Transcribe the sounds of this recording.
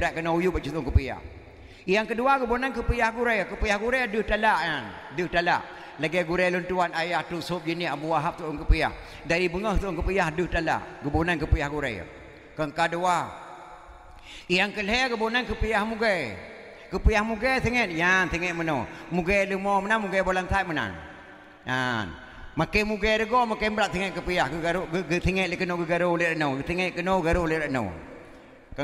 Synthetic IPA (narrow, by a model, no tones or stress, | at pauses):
bəɾaʔkənaujubat͡ʃut̪ʊŋkəpəja̰h | ijaŋkəduaɡəbonankəpəjahɡuɾajkəpəjahɡuɾejaduhtalaʔan | dəhtala̰ʔ | laɡajɡuɾajlunt̪uanajahtusop̚d͡ʒəniabuwaɦap̚t̪uʔʊŋkəpəja̰h | daɾibəŋəht̪uʔʊŋkəpəjahduhtala̰ʔɡəbonankəpəjahɡuɾa̰ja̰ | kəŋkadua | ijaŋkəlɦeaɡəbonankəpəjahmuɡe | kəpəjahmuɡesəŋət̪̚jansiŋɛʔmənomuɡeləmomənanmuɡebolansat̚məna̰n | jan | makemuɡeɾəɡɔmakembɾaʔ̚siŋɛt̪̚kəpəjahɡəɡaɾɡəsiŋɛt̪̚ləkənoɡəɡaɾoleɾənowsiŋɛʔ̪̚kənoɡaɾuleɾano̰w | kə